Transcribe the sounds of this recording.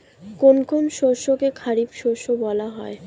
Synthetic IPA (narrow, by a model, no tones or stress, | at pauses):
konkʰonʃoɾʃokekʰaɾibʃoɾʃobɔlaɦɔe